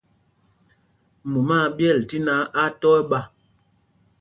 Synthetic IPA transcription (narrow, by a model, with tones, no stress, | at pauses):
mu˨ma˦˨bjɛ˦˨lti˦na˨˦ʔa˦tɔ˦ɛ˦ɓa˦˨